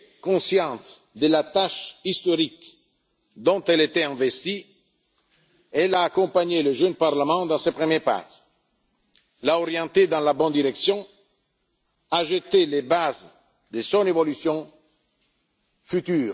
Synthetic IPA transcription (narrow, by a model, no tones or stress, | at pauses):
kõsjɑ̃nt̪ | d̪elat̪aʃist̪oɾik | d̪ɔ̃nt̪ɛlet̪ɛɛ̃vest̪i | ɛlaːkõmpaɲeləʒønpaɾlamɑ̃d̪ɑ̃sepɾemjɛpa̰ʒ | laoɾjɑ̃nt̪ed̪ɑ̃labɔ̃nd̪iɾɛksjɔ̃ | aʒet̪ːelebaz | d̪esõnevolysjɔ̃ | fyt̪yːɾ